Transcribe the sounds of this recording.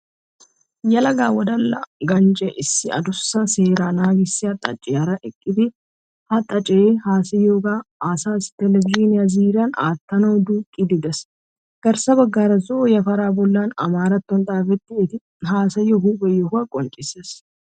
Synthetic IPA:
jɐlɐɡaːwɐd̪ɐlːɐ̰ɡɐnt͡ʃʼɛʔɪsːɪɐ̰d̪ʊsːɐseːɾaːnaːɡɪsːɪhɐt̪ʼːɐ̰t͡ʃʼːɪɐɾɐʔɪkʼːɪd̪ɪ | hɐt̪ʼɐt͡ʃʼɛeːhaːsɐjoːɡaːaːsaːsɪ̥t̪ɛlɛvɪd͡ʒinɪɐziːɾana̰ːt̪ːɐnɐɔd̪uːkʼɪd̪ɪd̪ɐs | ɡ̥ɐɾsɐbɐɡːaːɾɐzojɐfɐɾaːbɔlːaːnɐ̰maːɾɐt̪ːɔnt̪ʼaːfɛt̪ːɪːt̪ɪ | ɦaːsɐjɔhuːbɛjɔhʊɐkʼɔnt͡ʃʼɪsɐs

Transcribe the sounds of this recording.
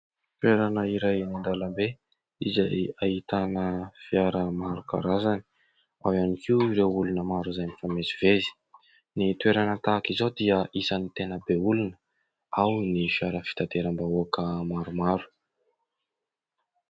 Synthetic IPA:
t̪weɾanəiɾajnind̪alambe | izaait̪anəfiaɾəmaɾuka̰ɾazani̥ | awanikʰiuiɾewulunəmaɾuzajnifamezivezi̥ | nit̪weɾanət̪akizod̪iəʔisanit̪enəbeulunə | awnifiaɾəfi̥t̪at̪eɾəmbaoakəmaɾumaɾu̥

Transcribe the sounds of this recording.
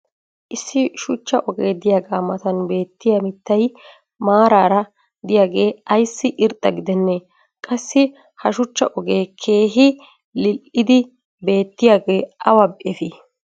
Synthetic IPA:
ʔɪsːɪʃʊt͡ʃːɐʔɔɡeːd̪ɪjaːɡaːmɐt̪ɐnbe̞ːt̪ːɪjɐmɪt̪ːɐj | maːɾaːɾɐ | d̪ɪjaːɡe̞ːɐjsːɪʔɪɾt̪ʼːɐɡɪd̪ɛnːe | kʼɐsːɪ | hɐʃʊt͡ʃːɐ̰ʔɔɡe̞ːkʰe̞ːɦɪ | lɪlʔɪd̪ɪ | be̞ːt̪ːɪjaːɡe̞ːʔɐwɐbʔɛfi

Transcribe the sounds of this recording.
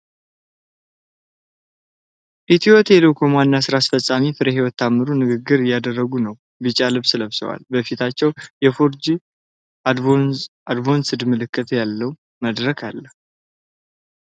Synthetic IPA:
ʔit̪ʰiwɔt̪ɛlokʰomanːasɨɾasfəsʼamifɨɾeɦiwɔt̪ːamːɨɾunɨɡɨɡːɨɾɪjːad̪ərːəɡunəw | bɨt͡ʃʼalɨβsləβsə̰wa̰lbəfit̪ʰat͡ʃːɛwjɛfoɾd͡ʒi | ad̪vo̞nsɨd̪mɨlɨkːɨt̪ʰjalːəw | məd̪ɾəkʰalːəhu

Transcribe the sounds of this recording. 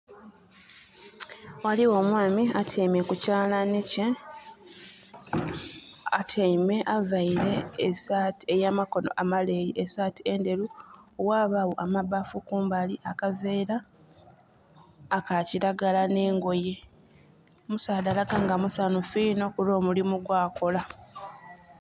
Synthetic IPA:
waliwo̞ːmwaːmiatʰemekucaːlanece | atʰeime̞ʔavaiɾe̞ːsaːtie̞jamako̞no̞̰ʔamale̞jiʔesaːtiende̞luowaːβawoʔamaβafukuːmbaliʔakaveːɾa | kaciɾaɡalane̞ːŋɡo̞je̞ | musaːdalaɡaŋɡamusanufiːno̞kulo̞ːmulimuɡwaːko̞la

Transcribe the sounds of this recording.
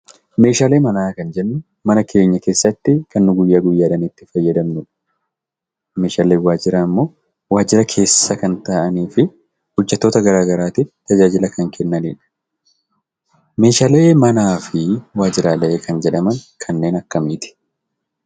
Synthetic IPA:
me̞ːʃaːle̞ːmɐnaːkɐnd͡ʒɛnːʊ | mɐnɐkʰe̞ːɲːɐke̞ːsːɐt̪ːɪkɐnːʊɡʊjːaːɡʊjːaːᶑɐnit̪ːɪfɐjːɐd̪ɐmnʊᶑɐ̥ | me̞ːʃaːleːwaːd͡ʒɪɾaɪmːo̞ː | waːd͡ʒɪɾɐkʰe̞ːsːɐkɐnt̪aʔɐniːfɪ | hʊd͡ʒːɛt̪ːoːt̪ɐɡɐɾaːɡɐɾaːt̪ɪt̪ɐd͡ʒaːd͡ʒɪlɐkɐŋkʰɛnːɐniːᶑɐ̥ | me̞ːʃaːleːmɐnaːfɪwaːd͡ʒɪɾaːlɐʔeːkʰɐnd͡ʒɛᶑɐmɐŋkʰɐnːe̞ːnɐkːɐmiːt̪ɪ̥

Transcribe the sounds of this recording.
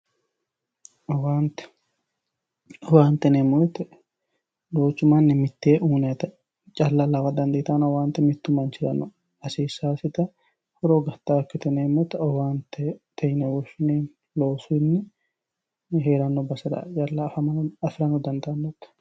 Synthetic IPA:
ɔwaːnt̪ | ɔwaːnt̪ɛneːmːot̪ːɛ | loːt͡ʃːʊmanːɪmɪt̪ːeːʔuːnɛt̪ɐ | t͡ʃʼɐlːalɐfɐd̪ɐnd̪eːt̪anɐwaːnt̪ɛmɪt̪ːʊmːant͡ʃɪɾɐnɔ | ɐsiːsaːsɪt̪ɐ | hɔɾoːɡɐt̪ːaːɐkːɪt̪ɛneːmːɔt̪ːɛɔwaːnt̪ɛt̪ʰɐjnɛwɔt͡ʃːʊneːn | loːsuɪnːɪ | ɦeːɾɐnːɔbɐsɐd̪ɐ̰t͡ʃʼɐlːafɐmɐnɐfɪɾɐnɔd̪ɐnd̪ɐɐnːɛt̪ː

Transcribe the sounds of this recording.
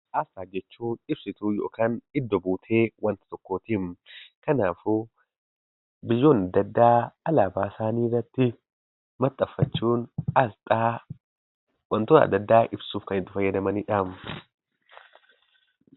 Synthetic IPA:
ʔɐfaːd͡ʒɛt͡ʃːuːnɪb̥sɪt̪uːjo̞̰ːkaːnɪd̪ːɔbuːt̪ʰe̞ːwɐnt̪ɪ̥t̪ɔkːoːt̪iːmkɐnaːfʊ | bɪjːo̞ːnɐd̪ːɐd̪ːaːɐlaːbaːsaːniːrːɐt̪ːɪ | mɐt̪ʼːɐfːɐt͡ʃːuːnɐlt̪ʼaː | wɐnt̪ʊnɐ̰d̪ːɐd̪ːaːʔɪbsuːfkɐnɪt̪ːɪfɐjːɐd̪ɐmɐniːᶑaːm

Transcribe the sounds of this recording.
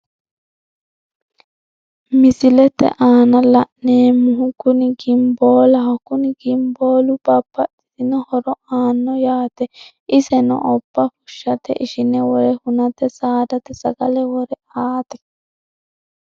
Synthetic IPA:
mɪsɪlɛt̪ɛ̰ʔaːnɐlɐʔneːmʊɦukʊniɡɪmboːlɐɦɔkʊniɡɪmboːlubɐpːɐʔɪ̥sɪnɔhɔɾɔaːnːɔjaːt̪ɛ | ɪsɛnɔ̰ʔɔbːɐfʊʃːɐt̪ɛ̰ʔɪʃɪnɛwɔɾɛhʊnɐt̪ɛsaːd̪ɐt̪ɛsɐɡɐlɛwɔɾɛ | aːt̪ɛ̥

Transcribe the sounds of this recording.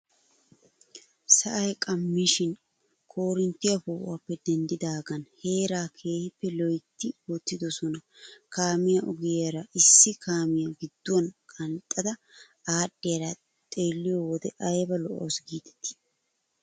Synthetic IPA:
sɐʔɐjkʼɐmːiːʃɪn | kʰoːɾɪnt̪ːɪjɐpuːʔapːɛd̪ɛnd̪ɪd̪aːɡɐnhe̞ːɾaːkʰe̞ːhɪpːɛlɔjt̪ːɪwɔt̪ːɪd̪ɔsɔnɐkaːmɪjɐʔʊɡɪjɾɐʔɪsːɪkʰaːmɪjɐɡɪd̪ːʊɐnkʼɐnt̪ʼːɐd̪ɐ | aːɗːɪjɐɾɐ | t̪ʼeːlːɪjowɔd̪ɛʔɐjbɐlɔʔoːsɡiːt̪ʰɛ̥t̪ːɪ̥

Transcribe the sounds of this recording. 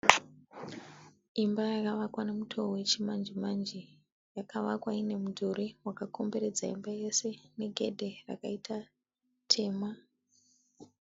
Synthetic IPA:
imbajakaʋakwanemutʰoowe̞t͡ʃimand͡ʒimand͡ʒi | jakaʋakwaine̞mudʱoɾewakako̞mbe̞ɾe̞d͡za̰ḭmbajese̞ne̞ɡʱe̞dʱera̰kaitʰa | tʰe̞ːma

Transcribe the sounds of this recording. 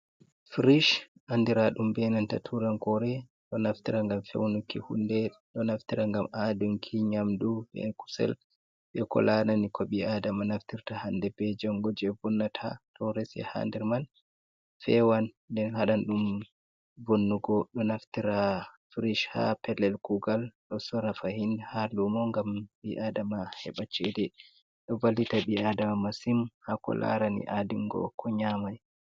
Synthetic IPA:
fiɾiʃʔandiɾaɗumbɛnantatʰuɾaŋkɔɾɛ | ɗɔnaft̪iɾaŋɡamfɛ̰wnukːihṵndɛɗɔnaft̪iɾaŋɡamaduŋkʰiɲamdubɛ̰ku̥sɛ̰l | ɓɛkɔ̰lananikʰɔɓiaːdamanaftiɾtahandɛbɛd͡ʒɔŋɡɔd͡ʒɛvɔnːatʰa̰tʰɔɾɛsɛ̰ha̰ndɛɾman | fɛwan | dɛnhaɗanɗum | bonːuɡɔɗɔnaftiɾafiɾiʃha̰pɛlɛlkuɡalɗɔsɔɾafahinhalumɔŋɡambiʔadamahɛ̰ɓat͡ʃːɛdɛ | ɗɔvalːitaɓiadamamasimhakɔ̰la̰ɾanḭʔadiŋɡɔ̰kʰɔɲamaj

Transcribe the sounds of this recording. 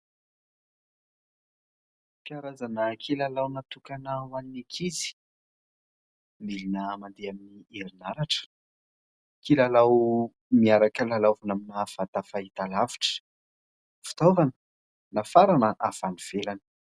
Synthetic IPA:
pjaɾazanəkʰilalawnat̪ukanawaninikʰizi̥ | milinəmand̪eaminieɾinaɾaʈ͡ʂə̥ | kʰilalaw | miaɾakəlalavanaminafat̪afait̪alavi̥ʈ͡ʂə̥ | fi̥t̪ovanə̥ | nafaɾanəʔafaniv̥elanə̥

